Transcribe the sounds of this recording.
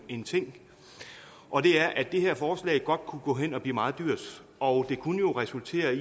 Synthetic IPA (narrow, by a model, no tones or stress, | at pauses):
e̝nt͡sʰe̝ŋ̰ | ʔɒ̽d̥e̝æɐʔæd̥e̝ɦeɐ̰fɒːslɛ̰ːɪɡ̥ɒ̽d̥̚kʰuɡ̥ɔ̰ːɦen̰ɒ̽b̥lḭːmɑ̈ːð̩ˠd̥yɐ̰d̥ | ɒ̽d̥e̝kʰunəjo̝ʁɛsult͡sʰe̝̰ːɐ